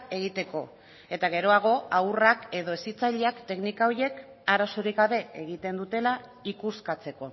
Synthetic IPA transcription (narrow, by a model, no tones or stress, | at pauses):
e̞ɣ̞it̪e̞ko̞ | e̞t̪aɣ̞e̞ɾo̞aɣ̞o̞awrake̞ðo̞esit͡saʎeakt̪e̞knikaoɾje̞k | aɾasoɾiɣɣaβe̞eɣ̞it̪e̞nd̪ut̪e̞la | ikuskat͡se̞ko̞